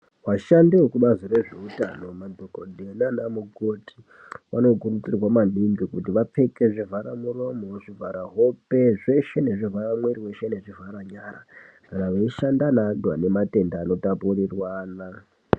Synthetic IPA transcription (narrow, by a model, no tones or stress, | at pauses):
waʃandeokuɓazire̞ʐe̞utano̞madʱokodʱenanamuɡo̞tʰi̥ | wa̰no̞kurut͡sirwamanɗimbikutiʋap͡feke̞ʐivʱaɾamuro̞mo̞ʐivʱaɾaɦope̞ʐe̞ʃe̞ne̞ʐivaɾamweɾiwe̞ʃe̞ne̞ʐivʱaɾaɲaɾa̰ | kanaʋaiʃandanandwane̞mate̞ndaːno̞tapurirwaːna